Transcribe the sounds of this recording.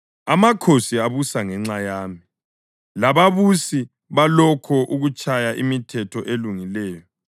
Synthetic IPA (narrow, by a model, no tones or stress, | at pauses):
amakʰosiaβusaŋɛŋ͡ǁajaːmi | laβaβusi | βalɔkʰɔʔuɣut͡ʃʼʰajaʔimitʰɛtʰɔʔeluŋilɛːjɔ